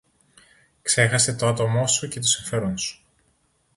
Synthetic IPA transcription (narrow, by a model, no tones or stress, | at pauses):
kse̞xɐse̞t̪oɐt̪o̞mo̞suce̞t̪̬usiɱfe̞ɾo̞nsu̥